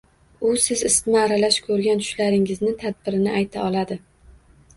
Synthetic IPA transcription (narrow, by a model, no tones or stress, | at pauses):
ʊsɪzɪst̪ɪnɪaɾalaʃkʰɵɾɡʲant̪ʰʊ̥ʃlaɾɪŋɪznɪt̪ʰad̪̚bɪɾɪnɪʔajt̪ʰaɒlˠad̪ɪ